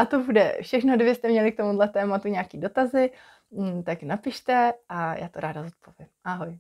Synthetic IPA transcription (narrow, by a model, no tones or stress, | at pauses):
ʔat̪o̞budɛ̰fʃɛxno̞dvjɪɛst̪ɛmɲɛlɪk̚t̪o̞mudlɛt̪ɛːmat̪uɲaːkiːdo̞t̪azɪ | t̪aknapɪʃt̪ɛʔaja̰ːt̪oɾaːdazot̪̚po̞vjɪmʔaɦoj